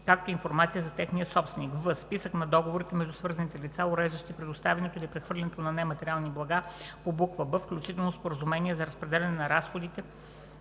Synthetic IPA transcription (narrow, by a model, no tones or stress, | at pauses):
kak̚t̪oinfoɾmat̪sijəzɐt̪ɛxniəsɔpst̪vɛnikvəsːpisəknɐd̪ɔɡovoɾit̪ɛmɛʒd̪usvɤɾzɐnit̪ɛlit̪saʊɾɛʒd̪əʃt̪iipɾɛd̪ʊst̪avɛnɛt̪oilipɾɛxvɤɾlʲɛnɛt̪onɐnɛmɐt̪ɛɾʲialˠniblˠɐɡapobukvəbəfklʲut͡ʃit̪ɛlˠnospoɾəzumɛniɛzɐɾəspɾɛd̪ɛlʲɐnɛnɐɾasxod̪it̪ɛ